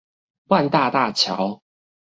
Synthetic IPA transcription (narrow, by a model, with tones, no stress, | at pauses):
wa˥˨nt̪a˥˧t̪a˥˨t͡ɕʰja̰˨˦ʊ